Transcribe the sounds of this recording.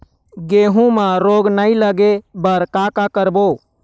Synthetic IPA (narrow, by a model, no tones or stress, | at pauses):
ɡeɦũmãɾoɡnailəɡebəɾkakakəɾbo